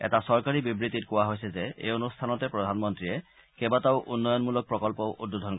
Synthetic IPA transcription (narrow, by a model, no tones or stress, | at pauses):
ɛ̰tasɔɹkaɹibibɹit̪it̚kʊwaɦojsɛzɛḛjonustʰanɔtɛpɹɔd̪ʱanmɔntɹijɛ | kɛbataʊʔunːɔjɔnmulɔk̚pɹɔkɔlpɔʔudːud̪ʱɔnkɔ